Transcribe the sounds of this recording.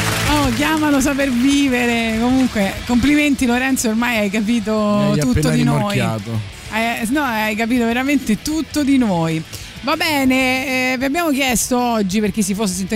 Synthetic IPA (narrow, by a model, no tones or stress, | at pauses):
ɔk̬jaːmalos̬ap̬erviːveɾekomuŋkwekompliment̪iloɾɛnt̪soːrmajajk̬ap̬iːt̪̬out̪ːod̪inojaːt̪o | ajnɔajkap̬iːt̪oveɾament̪et̪ut̪ːod̪inoːj | vabɛːneviabːjaːmok̬jɛst̪oɔd͡ʒːiperk̟isːifos̬ːesint̪e